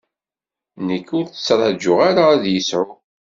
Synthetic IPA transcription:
nəkːʊɾθə̥t͡sːɾˤɑd͡ʒːʊʁaɾaðjəsʕʊ

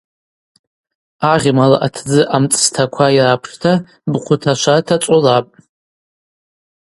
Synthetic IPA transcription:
aʁʲmala̰ʔatʰd͡zɨʔamt͡sʼstʰakʷʰajrapʰʂtʰa | bqʷʰʊtʰaʃʷatʰat͡sʷʼolapʼ

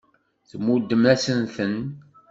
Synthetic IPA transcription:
θmːud̪ːəmæsənθən

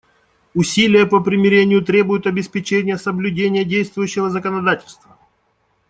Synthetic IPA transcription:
ʊsʲilʲɪjəpəpɾʲɪmʲɪɾʲenʲɪjʊt̪ɾʲebʊjʊt̪ɐbʲɪspʲɪt͡ɕenʲɪjəsəblʲʉdʲenʲɪjədʲejst̪vʊjʉɕːɪvəzəkənɐd̪atʲɪ̥lʲst̪və

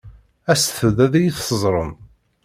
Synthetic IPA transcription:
æsθəðæðæjiθsəzˤɾˤə̰n

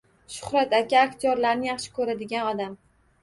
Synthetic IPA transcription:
ʃʊ̥hɾat̪akʲaːkʲt̪ʰijɒɾlaɾnɪjɑχʃɪ̥kʰɵɾad̪ɪɡʲanɒd̪am

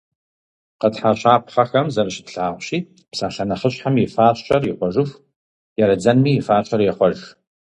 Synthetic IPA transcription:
qətħaɕʷʰʼaːpʰχɐxɐmzɐɾɨʃɪtɬaːʁʷɕiː | psaːɬɐnɐχəɕħamjɪfaːɕʼʰɐrjɪχʷɔʒɨf | jɛɾɨd͡zɐnmiːjɪfaːt͡ʃʷʰʼɐrjɛχʷɔʒ

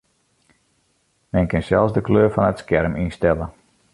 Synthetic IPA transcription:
mɛnkɪnsɛlˠsdəkløːɹfɔnətskɛrminstɛlə

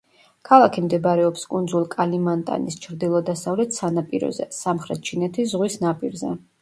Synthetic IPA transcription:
kʰalˠakʰimd̪ɛbɾɛɔpskʼund̪zulˠkʼalimant̪ʼa̰nist͡ʃʰɾd̪ilˠɔd̪asavlɛt̪ʰsanapʼiɾɔ̰zɛ̰samχɾɛt̪̚t͡ʃʰinɛt̪ʰiszʁwisnapʼiɾzɛ̰

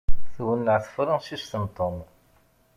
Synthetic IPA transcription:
θwənːəʕθfɾˤɑsist̪ənt̪ˤːom

